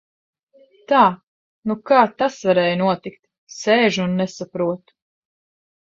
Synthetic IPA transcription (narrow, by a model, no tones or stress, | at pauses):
t̪aː | nukaːt̪asvaɾɛːjnuɔt̪ikt̪ | sɛːʒuːnːɛsapɾuɔt̪u̥